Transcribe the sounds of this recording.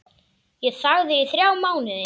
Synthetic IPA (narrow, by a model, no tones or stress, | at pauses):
jɛðθaɣðɪːθɾjaːwmaːwnɪðɪ